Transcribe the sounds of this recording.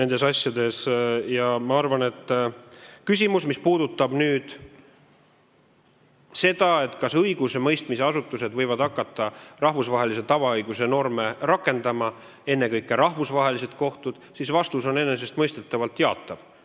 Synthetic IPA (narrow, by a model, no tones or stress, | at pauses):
ne̞nd̪e̞sɑsʲjɑd̪e̞sjɑmɑɑrvɑne̞t̪ːˑ | kys̬ʲimusmispuːd̪ut̪ːˑɑb̥nyːd̪̥ | se̞d̪ɑe̞t̪ːˑkɑsɤjɡ̥usemɤjst̪mise̞ɑsut̪ːˑuse̞d̪vɤjvɑd̪ɑkːˑɑt̪ːˑɑrɑhvusvɑɦe̞lise̞t̪ɑvɑɤjɡ̥use̞no̞rme̞rɑkːˑe̞nd̪̥ɑmɑ | e̞nːe̞kɤjkːˑeɾɑhvusvɑɦe̞lise̞d̪̚ko̞ht̪ud̪̥sisvɑst̪uso̞ne̞nːe̞s̬e̞st̪mɤjst̪et̪ːˑɑvɑlt̪jeɑ̰t̪ːˑɑv̥